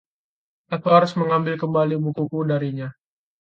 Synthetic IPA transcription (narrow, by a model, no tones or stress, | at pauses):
ʔakuhaɾʊsməŋambɪlkəmbalibukukudaɾiɲa